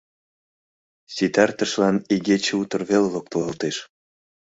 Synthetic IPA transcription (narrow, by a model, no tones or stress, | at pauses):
sit̪ært̪ə̆ʃlɑniɣet͡ɕĕut̪ɤ̆rβelelok̚t̪ɤlɑlt̪eʃ